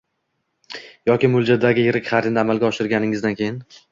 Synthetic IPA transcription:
jɒkʲɪmʊlˠd͡ʒad̪aɡʲɪjɪɾɪkʲχaɾd̪ɪnd̪aːmalɡʲaɒʃɪɾɡʲanɪŋɪzd̪ankʲʰejɪn

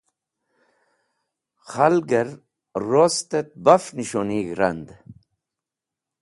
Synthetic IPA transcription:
χalɡəɾ | rost̪et̪̚bafniʃoniɡɾa̰nd̪

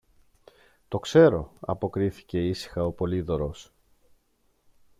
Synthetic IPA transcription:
t̪o̞kse̞ɾo̞ɐ̰po̞kɾiθi̥ce̞isi̥xɐo̞po̞liðo̞ɾos

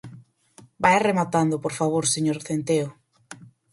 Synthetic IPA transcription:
bajaremat̪and̪ʊpoɾfaβ̞oɾseɲoɾθent̪eʊ

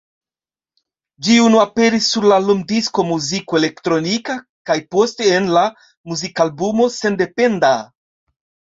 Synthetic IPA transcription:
d͡ʒiunuape̞ɾisːuɾlalomdisko̞muzikoe̞le̞ktɾo̞nika | kajpo̞ste̞ːnla | muzikalbumo̞se̞nde̞pe̞nda

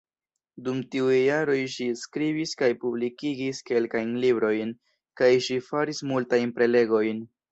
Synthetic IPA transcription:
dumtiujːaɾo̞jʃiskɾibiskajpublikiɡiske̞lkajnlibɾo̞jn | kajʃifaɾismultajnpɾe̞le̞ɡo̞jn

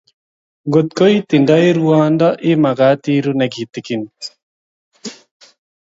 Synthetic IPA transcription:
ɡot̪̚koit̪iɳɖʌjɾuwaːnd̪aʔimɐɡaːt̪iːɾuneɡʱit̪ikin

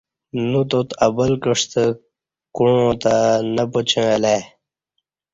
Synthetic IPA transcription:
nut̪ot̪ɐbəlkəʂt̪ə | kuɻõːt̪anəpot͡ɕʰẽle

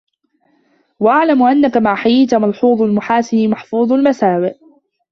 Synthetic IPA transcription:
waʔaʕlamʔanːakamaʕħajiːt̪amɑlħuːðˤalmʊħaːsɪmaħfuːðˤalmasaːwɪʔ

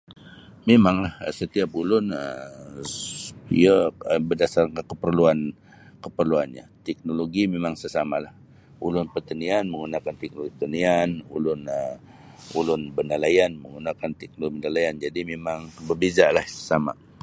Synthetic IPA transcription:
memaŋlahsət̪iapulʊnəm | ijəəbədasarkakəpərluan | kəpərluanɲa̰t̪ɛk̚noloɡimemaŋsəsamalah | ulʊnpərt̪anianməŋɡunakant̪ɛk̚noɡipət̪anianṵlʊnə | ulʊnbənalajanməŋɡunakant̪ɛk̚noibənalajand͡ʒadimemaŋbərbezalahsə̥sama̰

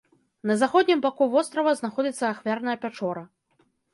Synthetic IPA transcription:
nɐzaxɔd̪ʲnʲimbakuvɔst̪ɾɐvɐznaxɔd͡zʲit̪sːɐːxvʲarnɐjɐpʲat͡ʂɔɾɐ

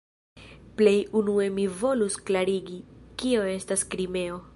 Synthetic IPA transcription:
ple̞junue̞mivo̞lusklaɾiɡikio̞e̞staskɾime̞o̞

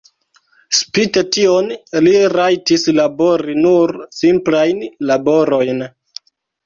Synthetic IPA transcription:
spitetionliɾajtislabo̞ɾinuɾsimplajnlabo̞ɾo̞jn

